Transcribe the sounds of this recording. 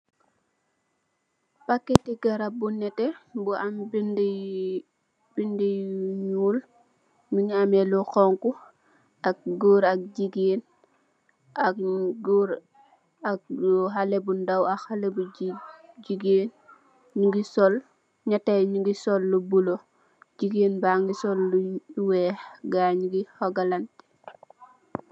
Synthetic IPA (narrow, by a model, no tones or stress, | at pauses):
pakːɛtiɡaɾabunɛtɛbuʔambind | bindijɲuːl | miŋamɛluxɔŋku | ak̚ɡuːɾɐk̚d͡ʒiɡeːn | aɡuɾ | ak̚ɦalebundawahalebu | ɟiɡeːn | ɲiɡisɔl | ɲatajɲiɡisɔlːubulo | ɟiɡeːnbaŋɡisɔlːuwɛːɡaɲiɡihɔɡalantɛ̥